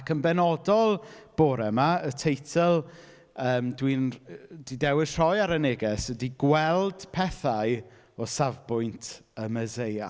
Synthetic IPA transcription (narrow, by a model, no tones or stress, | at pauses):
akʰənbɛnɔdɔlˠb̥oːɾɛmaətʰejtʰəlˠ | əːmdwind̥idɛwɪsr̥ɔjaɾəneɡɛsədiɡwɛlˠd̥pʰɛθaɨ | ɔsavbʊjntʰəməzeja